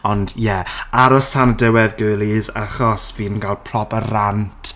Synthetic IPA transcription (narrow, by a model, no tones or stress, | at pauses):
ɔndjɛaɾɔstʰanədəwɛðɡʊjlˠizaχɔsviːnɡalˠpʰrɔbərantʰ